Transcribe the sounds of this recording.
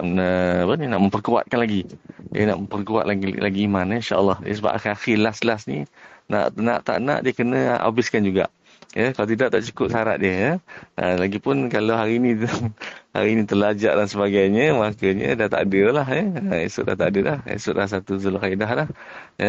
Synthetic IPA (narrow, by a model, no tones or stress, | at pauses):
nəpəninaʔmə̃mpərkuwa̰t̪̚kanlaɡiə̰na̰ʔməmpərkua̰t̪̚laɡilaɡiːmaninʃaʔə̰lːɑhə̰səba̰ʔaxiaxilaslasnina̰ʔnã̰ʔt̪a̰ʔna̰ʔdiəkənə̰̃ʔa̰bɪskand͡ʒuɡa̰ʔ | jəkalat̪̬idaʔt̪aʔt͡ʃu̥kʊp̚saɾa̰t̪̚diəjəəlaɡipʊnkalawɦaɾiːnĩ | ha̰ɾiːnit̪əlad͡ʒa̰ʔdansəbaɡajɲəmakəɲə̰̃daht̪a̰ʔdilaɦjəəḭsʊʔda̰ht̪adəlahḛsʊʔlahs̬at̪uzulakaidaɦlah | jə